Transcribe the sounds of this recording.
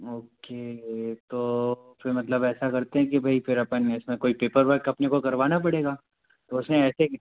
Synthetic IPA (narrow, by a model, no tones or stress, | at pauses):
oːket̪oːfɪɾmɐt̪ləbɛːsakɐɾt̪eɦɛ̃kibʱɐifɪɾɐpənɪsmẽkoːipeːpəɾʋɛkɐpnekokɐɾʋaːnap̬ɐɽeːɡaː | t̪oʊsnẽɛːse